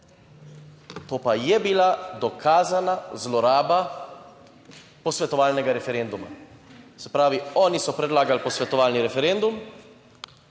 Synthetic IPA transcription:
t̪oːpajɛbilad̪ɔkʰaːzanazlɔɾaːba | pɔsʋɛt̪ɔʋaːlnɛɡaɾɛfɛɾend̪uma̰sɛpɾaːʋiɔːnisɔpɾɛd̪laːɡalpɔsʋɛt̪ɔʋaːlniɾɛfɛɾend̪um

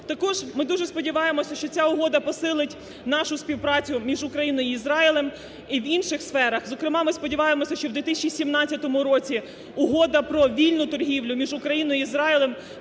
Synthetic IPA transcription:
t̪ɐkɔʒmɪd̪uʒɛspɔdʲɪʋɑjemɔsʲɐʃt͡ʃɔt͡sʲaʊɦɔd̪ɐpɔsɪlˠɪtʲ | nɑʃʊspʲiwpɾɑt͡sʲʊmʲiʒʊkɾɐjinɔiːzɾɑilˠem | iwinʃɪxsfɛɾɐxzɔkɾɪmɑmɪspɔdʲɪʋɑjemɔsʲɐʃt͡ʃɔwd̪ʋʲit̪ɪsʲɐt͡ʃisʲimnɑt͡sʲːɐt̪ɔmʊɾɔt͡sʲi | ʊɦɔd̪ɐpɾɔʋʲilʲnʊt̪ɔrɦʲiwlʲʊmʲiʒʊkɾɐjinɔiizɾɑɪlˠem

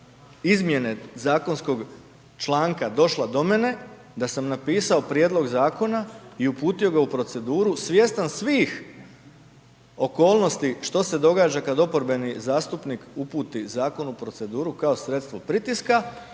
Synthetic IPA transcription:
izmje̞ne̞zaːko̞nsko̞ɡ | t͡ʃlˠaːŋkad̪o̞ʃlˠad̪o̞me̞ne̞ | d̪asamnapiːsao̞pɾje̞ːd̪lˠo̞ɡzaːko̞naiupuːt̪io̞ɡaupɾo̞t̪se̞d̪uːɾusʋje̞st̪ansʋiːx | o̞ko̞ːlˠno̞st̪iʃt̪o̞se̞d̪o̞ɡaːd͡ʒakad̪o̞po̞ɾbe̞nizaːst̪upnikupuːt̪izaːko̞nupɾo̞t̪se̞d̪uːɾukao̞sɾe̞t̪st̪ʋo̞pɾit̪iska

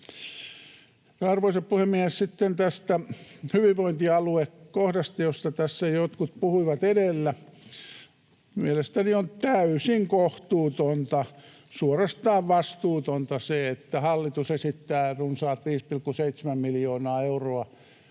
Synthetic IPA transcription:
rɑrʋoiseppuhemmːiehessit̪ːent̪æst̪æhyʋiʋʋoint̪iɑluekkohdɑst̪ɑjost̪ɑt̪æsːæjot̪kut̪̚puhuiʋɑt̪edelːæ | mielest̪æniont̪æysiŋkoht̪uːt̪ont̪ɑ | suorest̪ɑːʋʋɑst̪uːt̪ont̪ɑseet̪ːæhɑlːit̪usesit̪ːæːrunsɑːt̪ʋiːspilkːuseit̪semæmmiljoːnɑːeuroɑ

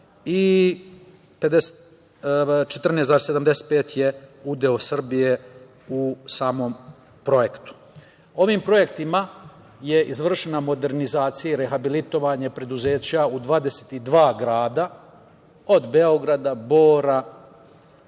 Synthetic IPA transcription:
i | pe̞d̪ese | t͡ʃet̪r̩nesaːɾeseamd̪ese̥t̪peːt̪jeud̪eosr̩bije̞ | usaːmo̞m | pɾo̞jekt̪u̥ | o̞ʋiːmpɾo̞jekt̪ima | je̞ʔizʋr̩ʃenamo̞d̪e̞ɾnizaːt̪sijaiɾe̞xabilit̪o̞ʋaɲe̞pɾe̞d̪uze̞ːt͡ɕaud̪ʋaːd̪e̞set̪id̪ʋaːɡɾaːd̪a | o̞d̪be̞o̞ɡɾad̪aboːɾa

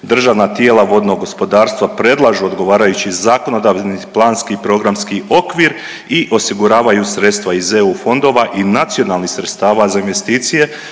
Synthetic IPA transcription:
d̪r̩ʒaʋnat̪je̞ːlˠaʋo̞d̪no̞ɡo̞spo̞d̪aːɾst̪ʋapɾe̞d̪lˠaʒuo̞d̪ɡo̞ʋaːɾajut͡ɕizaːko̞no̞d̪aʋniplˠaːnskipɾo̞ɡɾamskiʔo̞kʋiːɾ | iʔo̞siɡuɾaːʋajusɾe̞t̪st̪ʋaizeufo̞nd̪o̞ʋaʔinat̪sijo̞nalˠnihsɾe̞t̪st̪aːʋazainʋe̞st̪iːt̪sije̞

